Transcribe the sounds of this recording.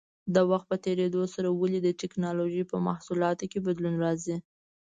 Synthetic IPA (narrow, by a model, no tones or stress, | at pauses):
d̪awaxt̪̚pət̪eɾed̪osaɾawalid̪əʈɪknɑloʒipəmahsulɑt̪okebad̪lunɾɑzi